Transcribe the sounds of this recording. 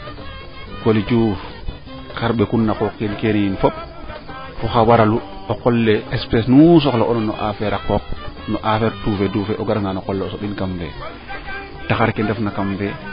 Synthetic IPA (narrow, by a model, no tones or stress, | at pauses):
kolid͡ʒu | kaɾɓɛkunːakɔkinkeniinfɔp̚ | fɔxawaɾaluɔkɔlːɛɛspɛsnus̬ɔklɔʔɔnɔnːɔ̰ʔafɛɾakɔk̚nɔʔafɛɾtufɛdufɛʔɔɡaɾŋɡanɔkɔlːɛɔsɔɓinkamfɛ̰ | taxaɾkɛndɛfnakamfɛ